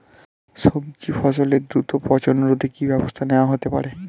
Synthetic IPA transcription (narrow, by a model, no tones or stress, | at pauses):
ʃob̚d͡ʑifɔsoleɾd̪ɾut̪opɔt͡ɕonɾod̪ʱekibɛbost̪ʰaneoaɦot̪epa̰ɾe